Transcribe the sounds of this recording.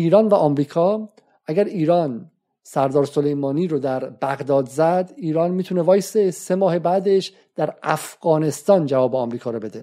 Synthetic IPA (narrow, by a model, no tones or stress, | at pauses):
ʔiːɾɒːnvæʔɒːmɾiːkʰɒː | ʔæɡæɾiːɾɒːn | sæɾd̪ɒːɾso̞lejmɒːniːɾod̪æɾbæɣd̪ɒːd̪zæd̪iːɾɒːnmiːt̪ʰunevɒːjesese̞mɒːhebæːd̪eʃ | d̪̥æɾæfɣ̥ɒːne̞st̪ɒːnd͡ʒævɒːbe̞ɒːmɾiːkʰɒːɾobe̞d̪e